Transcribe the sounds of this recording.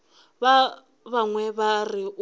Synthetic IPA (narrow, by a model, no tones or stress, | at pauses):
βa | βaŋwɛβariʔ